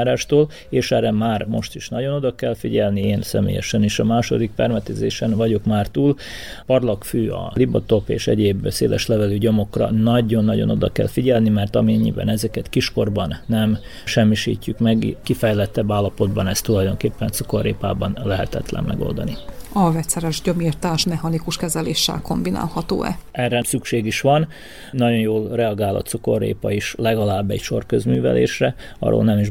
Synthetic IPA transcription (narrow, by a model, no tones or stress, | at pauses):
ɾaːʃt̪oːl | eːʃɛrɛmaːrmo̞ʃt̪iʃnɒɟo̞no̞d̪ɒkɛlfiɟɛlnieːnsɛmḛːjɛ̰ʃɛniːʃɒmaːʃo̞̰d̪ikfɛrmɛt̪ɛzeːʃɛnvɒɟo̞kmaːrt̪uːl | pɒrlɒkføːɒ̰libɒt̪o̞pḛːʃɛ̰ɟeːbsḛːlʔɛʃlɛvɛlyɟomo̞krɒ̰nɒɟo̞nːɒɟo̞no̞d̪ɒkɛ̰lfiɟɛlnimɛrt̪ɒmiɛɲːḭbɛ̰nɛzɛkɛt̪kiʃko̞rbɒnːɛm | ʃɛmːiʃḭːcːykmɛɡkifɛjlɛt̪ːɛbːaːlːɒpo̞d̪bɒnɛst̪ːulɒjd̪o̞ŋkeːpːɛnt̪suko̞rːeːpa̰ːbɒnlɛɦɛt̪ɛ̰t̪lɛ̰mmʔɛ̰ɡo̞̰ld̪ɒniɒvɛt̪sɛɾɛʒɟɒmirt̪aːʃmɛɦɒnikuʃkɛzɛleːʃːɛ̰lko̞mbina̰ːlhɒt̪o̰ːɛ̰ɛrːɛsykʃeːɡiʃʋɒn | nɒɟo̞njoːlrɛɒɡaːlɒ̰t̪suko̞rḛːpɒiʃlɛɡɒlaːbːɛcʃo̞rkøzmyːvɛ̰lḛːʃrɛ | ɒ̰ɾo̰ːlnɛmiʒ